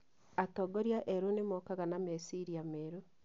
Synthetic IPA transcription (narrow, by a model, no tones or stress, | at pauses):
atoɡoɾjaʔeɾunemokaɣanamesiɾiameɾo